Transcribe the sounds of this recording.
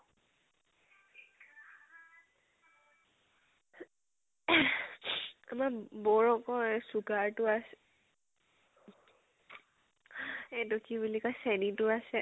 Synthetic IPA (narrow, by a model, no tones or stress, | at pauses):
amabɔɹɔkɔɹsuɡaɹtʊasɛ | ɛtukʰibulikɔjsɛnitʊasɛ